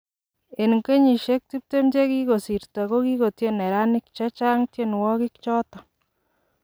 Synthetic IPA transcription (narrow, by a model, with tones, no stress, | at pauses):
e˨nŋke˦ɲi˨ʃe˦k̚ti˦p̚te˦mt͡ʃe˦ki˦ko˨si˨ɾta˨ko˦ki˦ko˨tje˦ne˨ɾa˦ni˦k̚t͡ʃa˦t͡ʃa˦ŋte˦nwɔ˦ki˦k̚t͡ʃɔ˦tɔ˨